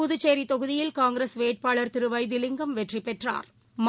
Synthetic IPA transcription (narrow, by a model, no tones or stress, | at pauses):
ʊðɯt͡ʃːeːɾit̪ɔɣɯðɪjɪlkaːŋɡɪɾesʋeːʈ̚paːɭɐɾt̪ɪɾɯʋɐɪd̪ɪlɪŋɡɐmʋɛʈripːɛʈra̰ːɾ | m